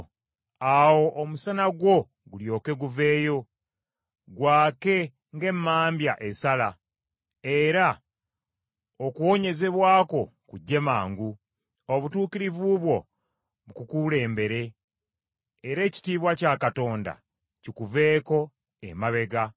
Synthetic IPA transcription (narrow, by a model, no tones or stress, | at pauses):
awo̞ʔːmusanaɡwo̞ | ɡuljo̞ːke̞ɡuve̞ːjo̞ | ɡwaːke̞ | ŋɡe̞mːaːmbjaʔesala | e̞ɾa | okuwo̞ɲe̞ze̞βwaːko̞kuɟːe̞maːŋɡu | oβutuːkiɾivuβwo̞ | βukukule̞ːmbe̞ɾe̞ | ɾe̞ːci̥tiːβwacakato̞ːnda̰ | cikuve̞ːko̞ | ḛmaβe̞ɡa